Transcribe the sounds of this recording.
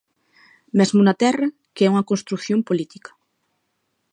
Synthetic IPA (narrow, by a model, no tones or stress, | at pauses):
mezmunat̪ɛra | kɛuŋakonst̪ɾukθjompolit̪ikḁ